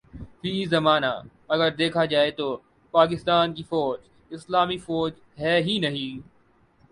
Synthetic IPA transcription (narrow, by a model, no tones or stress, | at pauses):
fiːzɐmaːna̰ | ɐɡəɾd̪eːkʰad͡ʒaːet̪oː | paːk̬ɪst̪aːnkifɔːd͡ʒ | ɪslaːmifɔːd͡ʒ | ɦɛːɦinɐɦĩː